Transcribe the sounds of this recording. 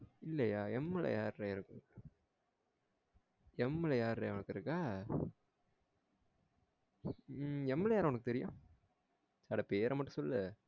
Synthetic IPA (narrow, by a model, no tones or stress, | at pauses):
ɪlːɐjaːɛmːɛlɐ̰jaːɾɾeɪɾɯkːɯ | ɛmːɛlɐjaːɾɾḛʋʊnɐkːɪɾɯkːaː | ɛmːɛlɐjaːɾʊnɐkːɯt̪ɛɾɪjõ̰ː | sɐːɽɐpeːɾɐmɐʈːɯ̃sɔlːɯ